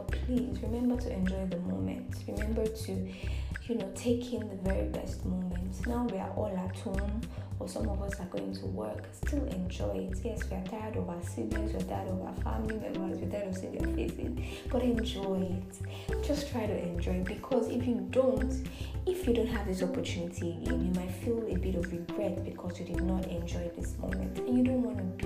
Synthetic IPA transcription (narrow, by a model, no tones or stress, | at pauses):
pʰlizɹimɛ̃mbə˞tʰuʔɛ̃nd͡ʒɔɪðəmõ̰ʊ̃mɛ̰̃ntɹimɛ̃mbə˞tʰujunoʊtʰeɪkʰɪ̃nðəvɛɹḭbɛ̰stmõʊmɛ̃ntsnaʊwiə̰ʔɔlˠatʰũnəsʌ̃mɔvʌsaɡoʊɪ̃ŋtʰṵwɜ˞kstʰɪlˠɛ̃nd͡ʒɔɪɪtjɛswiə˞tʰaɪəɾɔvaʊəsizəzwiətʰajəɾɔva̰ʊəfæ̰mliðɛ̰̃nazwitʰaɾɔvsiðiə̰fɪzḭz | b̥ʌɾɛ̃nd͡ʒɔɪɪt | d͡ʒ̥ʌstʰɹ̥aɪɾuʔɛ̃nd͡ʒɔɪɪt̚b̥ikʰɔzɪ̰fjɨdõʊ̃ntɪfjudõʊ̃ntɦɨvðɪsɔpətʰjunitʰḭ̃njumaɪtfilˠəbɪɾɔvɹiɡɹɛt̚b̥ɨkʰɔzjɨdɨdⁿnəɾɛ̃nd͡ʒɔɪt̪̚ðɪsmõ̰ʊ̃mɛ̰̃ntɨ̃njɨdõnʔwɔ̃nɨ